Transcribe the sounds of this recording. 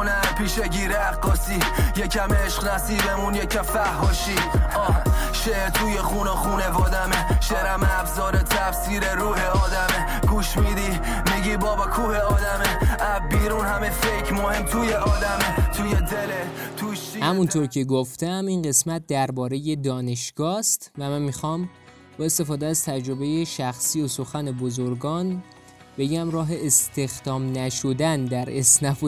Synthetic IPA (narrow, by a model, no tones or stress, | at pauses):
næpʰiːʃeɟiːɾeæqːɒːsiːjecʰæmeʃqnæsiːd̪emunjecʰæfæhːɒːʃi | ʃet̪ʰuːjexuːnoxuːnevɒːd̪æmeʃeɾæmæfzɒːɾet̪ʰæfsiːɾeɾuːheɒːd̪æme | ɡ̥uːʃmiːd̪i | miɟibɒːbekʰuːheɒːd̪æmeæbiːɾunhæmefekʰmohemt̪ʰuːjeʔɒːd̪æmet̪ʰujed̪elet̪ʰuːʃihæmunt̪ʰoɾcʰeɡoft̪æmiːnɢe̞smæt̪̚d̪æɾbɒːɾe̞jed̪ɒːne̞ʃɡ̥ɒːst̪væmænmixɒːm | bɒːe̞st̪e̞fɒːd̪eæzt̪ʰæd͡ʒɾo̞be̞je̞ʃæxsiːoso̞xæne̞bozoɾɡɒːn | b̥e̞ɟæmrɒːɦe̞est̪ʰe̞xd̪̥ɒːmnæʃod̪ænd̪æɾesnæfo